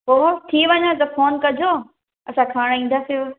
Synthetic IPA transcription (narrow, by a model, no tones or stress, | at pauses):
poːɦot̪ʰiʋɐɲãt̪ɐfoːnkɐd͡ʑʱoː | ɐsãkʰaːɽ̃ĩːn̆d̪asijoː